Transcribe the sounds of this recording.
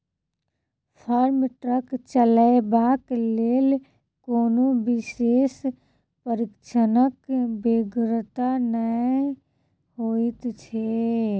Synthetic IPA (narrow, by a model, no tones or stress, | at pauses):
pʰəɾmʈɾəkt͡ʃələebaːkleːl | koːnobɪseːs | pəɾɪkʃənəkbeɡɾt̪anə | ɦoːit̪t͡ʃʰe